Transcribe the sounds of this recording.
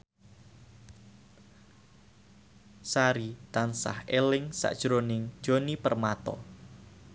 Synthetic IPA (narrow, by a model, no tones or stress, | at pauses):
saɾit̪ansa̰helɪŋsa̰ʔd̥ʒ̥ɾonɪŋd̥ʒ̥o̤nipərmat̪ɔ̰